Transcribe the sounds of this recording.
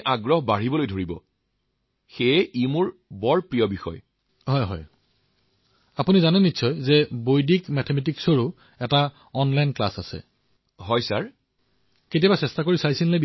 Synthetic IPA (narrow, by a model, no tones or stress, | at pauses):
ʔaɡɹɔɦbaɹibɔlojdʱoɹibɔ̰ | xejimuɹbɔɹpɹijɔbixɔ̰j | ɦɔjɦɔ̰j | apunizanɛnitsʰɔjzɛbojdikmɛtʰɛmɛt̬iksoɹu | ɛta | ɔnlajnkla̰sasɛ̰ | ɦɔjsaɹ | ketijabasɛstakoɹisajsinle